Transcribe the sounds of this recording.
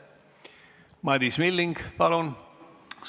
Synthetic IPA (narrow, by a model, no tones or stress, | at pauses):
mɑd̪ismilːiŋɡpɑlon | s